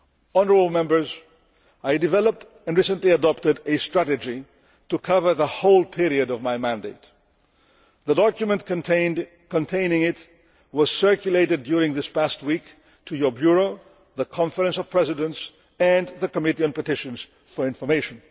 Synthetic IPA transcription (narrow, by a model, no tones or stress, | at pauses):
ɔnəɹəbəl̩ˠmɛ̃mbə˞z | aɪdɨvɛlˠəp̚t | ɛ̃nɹisə̃ntliɨdɔp̚tɨɾɨstɹ̥æɾɨd͡ʒi | tukʰʌvə˞ðəhoʊlˠpʰɪɹiɨɾʌvmajmæ̃ndeɪt | ðədɔkjumə̃nt | kə̃ntʰẽɪ̃nɪ̃ŋɪt | wʌz̥sɜ˞kjuleɪɾɨd̚juɹɪ̃ŋðɪspæst̚wik | tʰujə˞bjuɹoʊ | ðəkʰɑ̃ɱfəɾə̃nsʌv̥pʰɹ̥ɛzɪdə̃ns | ɨ̃nðəkəmɪɾiɨ̃npətɪʃə̃nz̥ | fə˞ɪ̃nfə˞meɪʃə̃n